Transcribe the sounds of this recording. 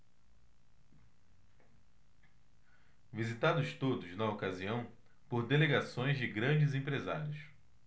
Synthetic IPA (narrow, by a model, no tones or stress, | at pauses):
vizit̪ad̪ʊst̪od̪ʊznɐokaziɐ̃w̃ | poɾd̪eleɡasõj̃zd͡ʒɪɡɾɐ̃d͡ʒɪzẽpɾeza̰ɾiʊs